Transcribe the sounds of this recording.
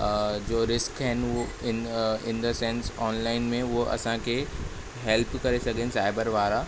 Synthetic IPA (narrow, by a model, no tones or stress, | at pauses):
d͡ʑoːɾɪskɦɪnɪ̃nɪ̃nd̪əsɛ̃nsɔːnlaːɪnmẽʊɦʔɐ̰sãkʰe | ɦɛlpkɐɾesɐɡʱɪnɪ̆saɪbəɾʋaːɾa